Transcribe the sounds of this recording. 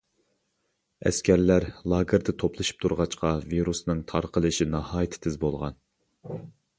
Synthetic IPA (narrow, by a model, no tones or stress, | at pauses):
ɛ̰skʲæɾlæɾlˠɑːɡɨɾd̪ɛt̪ʰoplˠɨʃi̥p̚t̪ʰuɾʁɑt͡ʃqɑviɾusnɨŋt̪ʰɑɾqəlˠɨʃinɑhɑːjit̪ʰt̪ʰɪzbolˠʁɑ̰n